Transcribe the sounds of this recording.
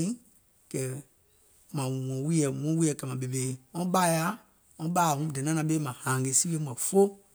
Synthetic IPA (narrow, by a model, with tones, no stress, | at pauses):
ĩ˦ | kɛ˨ | mã˨ɔ̃˨˦wi˦ɛ˨ŋɔ̃˨˦wi˦ɛ˧˨kɛ˨mã˨ɓe˨be˨˦ŋɔ̃˦ɓa˦ja˦ | ŋɔ̃˧˦ɓaː˦˨ŋũ˦dɛ̃˨nã˦nã˧ɓe˦mã˨hã˨ɡe˨˦si˦we˧˦mɛ̃˨fo˦